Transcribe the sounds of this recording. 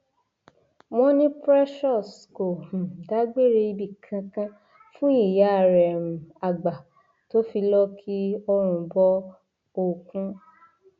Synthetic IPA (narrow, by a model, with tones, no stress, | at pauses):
mɔ̃˧˦nĩ˦pɾɛ˦ʃɔ˦˨sko˨h̩˨da˨˦ɡ͡be˦˨ɾe˧i˧bi˦˨kʰã˧kã˦ | fũ˦i˦˨ja˨˦˨ɾɛ˨mũ˨a˨ɡ͡ba˨ | to˦fi˧lɔ˦kʰi˦ɔ˧ɾ̃ũ˧bɔ˦ | o˨kũ˧˦